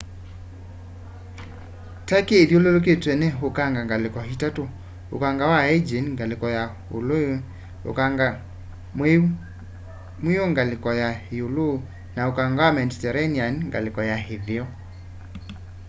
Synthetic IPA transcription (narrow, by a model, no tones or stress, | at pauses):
takeːljolelok̬etwɛneɦokaŋɡaŋɡalekɔɦitato | o̰kaŋɡawaɛd͡ʒenŋɡalekɔja | olo | o̰kaŋɡa | me | mejoŋɡalekɔjaheolo | naokaŋɡawamɛnditɛɾɛnianŋɡa̰lekɔjaɦeðeɔ